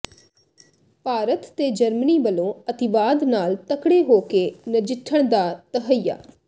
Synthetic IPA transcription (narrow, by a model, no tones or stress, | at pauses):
paːɾət̪ːeːd͡ʒəɾməniːbəlõːət̪ɪbaːd̪naːlt̪əkɽeːɦoːkeːnəd͡ʒɪʈʰːəɳd̪aːt̪əɦəja̰ː